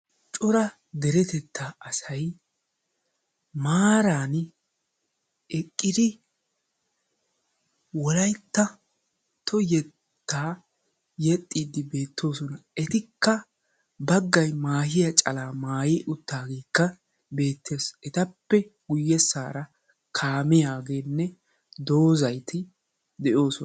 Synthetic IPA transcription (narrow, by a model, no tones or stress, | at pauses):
t͡ʃʼʊɾɐ | d̪ɛɾɛt̪ɛt̪ʰːaːʔɐsɐj | maːɾaːn | ʔɛkʼːɪd̪ɪ | wɔlɐjt̪ːɐ | t̪ʰɔjɛ | t̪ʰːaː | jɛt̪ʼːiːd̪ɪbe̞ːt̪ːo̞ːsɔnɐʔɛt̪ɪkːɐ | bɐɡːɐjmaːhɪjɐt͡ʃʼɐlaːmaːjiːʔʊt̪ːaːɡeːkːɐ | be̞ːt̪ʰːe̞ːsʔɛt̪ɐpːɛɡʊjːɛsːaːɾɐ | kʰaːmɪjaːɡe̞ːnːɛ | d̪o̞ːzɐjt̪ʰɪ | d̪ɛʔo̞ːsɔn